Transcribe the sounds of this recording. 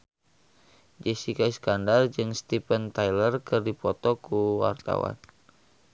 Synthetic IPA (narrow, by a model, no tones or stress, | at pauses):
d͡ʒɛsikaiskandard͡ʒɨŋst̪ipənt̪ajlərkɨrdipɔt̪ɔkuwa̰rt̪a̰wa̰n